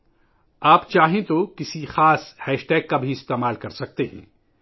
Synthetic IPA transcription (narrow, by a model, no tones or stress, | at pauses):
aːpt͡ʃaːɦẽt̪okɪsixaːshɛːʃʈɛːɡ̚kabʱiɪst̪eːmaːlkɐɾsɐk̚t̪eɦɛ̰̃ː